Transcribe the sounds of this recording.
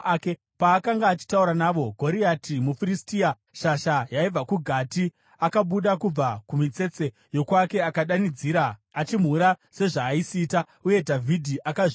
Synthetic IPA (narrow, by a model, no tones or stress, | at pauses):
ke | paːkaŋɡaːt͡ʃi̥tauɾanaːʋo̞ɡʱo̞ɾiatʰimufiɾistia | ʃaʃajaib͡vakuɡʱati | akaɓuɗakub͡vakumit͡se̞t͡se̞ | jo̞kwake̞akaɗanid͡ziːɾaːt͡ʃim̤uɾase̞ʐaːisiːta | uje̞dʱavʱidʱiʔakaʐ